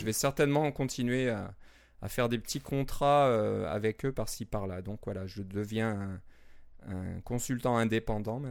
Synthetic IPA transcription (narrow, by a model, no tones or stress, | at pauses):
ʒəvɛsɛʁt̪ɛnmɑ̃kɔ̃t̪ʰinɥea | a̰fɛʁd̪epət̪ʰikʰɔ̃t̪χaøa̰vɛkøpaʁsə̥ipaʁlad̪ɔ̃kvwalaʒəd̪əvjɛ̃ɛ̃ | ɛ̰̃kɔ̃sylt̪ɑ̃ɛ̃d̪epɑ̃d̪ɑ̃ɛ